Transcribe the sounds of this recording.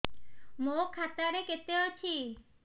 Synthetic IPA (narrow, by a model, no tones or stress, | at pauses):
mokʰːat̪aɾeket̪eot͡ʃʰi